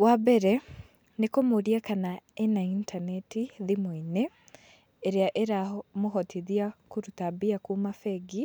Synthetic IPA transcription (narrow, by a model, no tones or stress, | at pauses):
wabɛɾɛ | nekomoɾiakanaenaintʰanɛtiðimoine | eɾeaʔeɾamoɦɔtʰiðiakuɾutabiakuːmafɛɡi